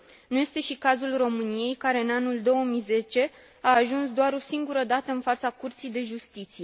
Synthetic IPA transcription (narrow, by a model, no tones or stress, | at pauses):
nuje̞st̪e̞ʃikazulro̞mɨnije̞jkaɾe̞ɨnanuld̪o̞wəmijze̞t͡ʃe̞ | aːʒunsd̪oaɾo̞siŋɡuɾəd̪at̪əɨnfat̪sakurt̪sijd̪e̞ʒust̪it̪sije̞